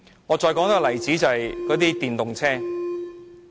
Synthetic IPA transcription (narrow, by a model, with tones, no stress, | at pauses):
ŋɔː˨˧t͡ʃɔː˧jkɔː˨˥ŋt̪ɐ˥k̚lɐ˨˩jt͡siː˨˥t͡sɐ˨˧hɐ˨jkɔː˨˥t̪iː˥t̪iː˨˩nt̪ʊ˨ŋt͡sʰɛː˥